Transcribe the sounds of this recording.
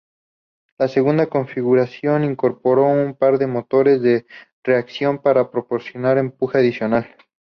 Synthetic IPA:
lase̞ɣund̪ako̞ɱfiɣuɾasjo̞niŋko̞ɾpo̞ɾo̞umpaɾðe̞mo̞t̪o̞ɾe̞zðe̞ | re̞aksjo̞mpaɾapɾo̞po̞ɾsjo̞naɾe̞mpuxeaðisjo̞nal

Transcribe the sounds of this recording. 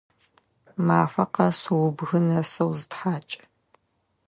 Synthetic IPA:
maːfɐqɐsɨwʊbɣɨnɐsɐwzɨtħaːt͡ʃʼ

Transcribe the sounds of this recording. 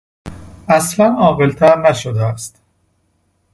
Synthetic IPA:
æslænɒːɣelt̪ʰæɾnæʃod̪eæst̪

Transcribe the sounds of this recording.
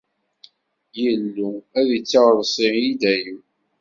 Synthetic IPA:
jəlːuæðit͡sːɑʁðˤsˤiid̪æji

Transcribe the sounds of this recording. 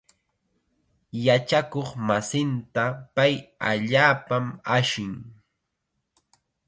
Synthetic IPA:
jat͡ʃakoχmasɪnt̪apaja̰ʎaːpamaʃɪŋ

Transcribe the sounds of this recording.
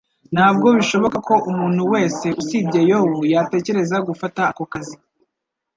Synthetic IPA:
n̥haːbɡo̞βiʃo̞βo̞kako̞ʔumuːn̥huwe̞ːse̞ʔusiːbɟejowojate̞ːce̞ɾe̞zaɡufataːko̞kazi

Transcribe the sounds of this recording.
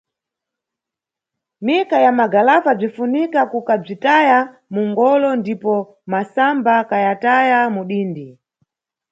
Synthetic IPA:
mikajamaɡalafab͡ʐifunikakukab͡ʐitaja | muŋɡɔlɔndipɔ | masambakajatajamuɗiːndi

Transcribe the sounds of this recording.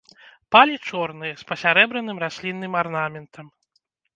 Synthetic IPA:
palʲit͡ʂɔrnɨjɐspɐsʲaɾɛbɾɐnɨmrasʲlʲinːɨmarnamʲɛnt̪ʰɐm

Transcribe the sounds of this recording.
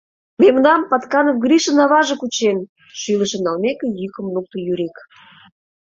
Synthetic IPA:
memnɑmpɑt̪kɑnəkɡɾʲiʃə̆nɑβɑʒĕkut͡ɕen | ʃyləʃə̆nɑlmekĕjykə̆mnuk̚t̪ŏjyɾʲik

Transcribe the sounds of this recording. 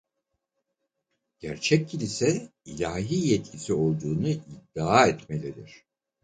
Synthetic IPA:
ɟ̥æɾt͡ʃʰɛc̚ːʰilʲisɛilʲaːɦiːjɛt̪̚cʰisio̞lˠd̪uːnuʔid̪ːaaɛt̪melʲɛd̪iɾ̝̥

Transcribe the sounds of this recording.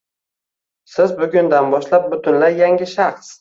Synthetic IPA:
sɪzbʊɡʲʊnd̪anbɒʃlap̚bʊt̪ʰʊnlaɾjaŋɡʲɪʃaχs

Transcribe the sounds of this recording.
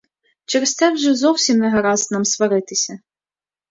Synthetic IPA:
t͡ʃɛɾest̪ɛwʒɛzɔwsʲimnɛɦɐɾɑznɑmsʋɐɾɪt̪ɪsʲɐ

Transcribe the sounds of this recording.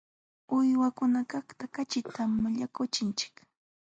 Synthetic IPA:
ʊjwakʊnakaχt̪akat͡ʃɪt̪ʰamːaʎakʊt͡ʃɪnt͡ʃɪ̥k

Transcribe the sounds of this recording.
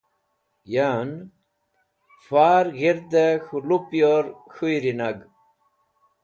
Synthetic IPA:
jan | faːɾɣeɾd̪axulupjoɾxujɾinaɡ

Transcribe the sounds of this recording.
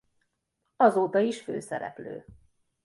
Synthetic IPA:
ɒzoːt̪ɒiʃfø̰ːsɛɾɛ̰plø̰ː

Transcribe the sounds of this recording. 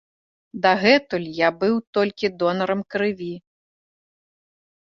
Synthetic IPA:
d̪ɐɣɛt̪ulʲjabɨwt̪ɔlʲkʲid̪ɔnɐɾɐmkɾɨvʲi

